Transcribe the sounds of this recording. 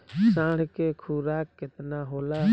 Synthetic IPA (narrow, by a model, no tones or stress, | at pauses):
sãːɽ̤keːkʰuːɾaːkːɪt̪naːɦoːlaː